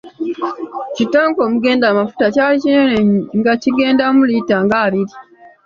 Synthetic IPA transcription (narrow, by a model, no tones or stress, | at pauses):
citːaːŋko̞ːmuɡe̞ːndaːmafu̥tacaːlicinenŋɡaciɡe̞ːndamulitaŋɡaːβiɾi